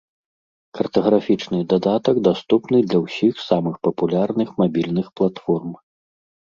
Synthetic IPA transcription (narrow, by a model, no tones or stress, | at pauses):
kɐrt̪ɐɣɾafʲit͡ʂnɨd̪ad̪at̪ɐɡd̪ast̪upnɨd̪lʲɐwsʲixsamɨxpɐpulʲarnɨxmabʲilʲnɨxplˠat̪fɔrm